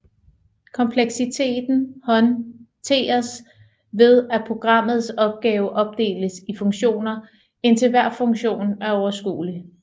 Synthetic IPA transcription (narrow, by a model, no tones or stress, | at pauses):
kʰɒ̽mpʰleɡ̥sit͡sʰe̝̰ːd̥n̩hɒn | t͡sʰe̝̰ːɐs | ʋe̝ðˠæpʰʁo̝ɡ̥ʁɑ̈m̰ð̞̩ˠsɒ̽b̥̚ɡ̥ɛːʊʔɒ̽b̥d̥e̝̰ːləsifɔ̽ŋɕo̝̰ːnɐ | e̝nt͡sʰe̝ʋæɐ̰fɔ̽ŋɕo̝̰ːnæɒʊɐsɡ̥ṵːli